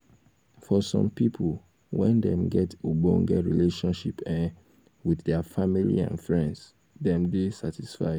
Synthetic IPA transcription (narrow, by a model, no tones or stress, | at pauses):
fɔsɔ̰̃mpipʰol | wɛ̃ndɛ̃mɡɛtubõŋɡɛɹḭleʃɔ̃nʃipãn | wiθdɛafamilḭã̰nfɹɛ̃nds | dɛ̃mdesatisfa̰ɪd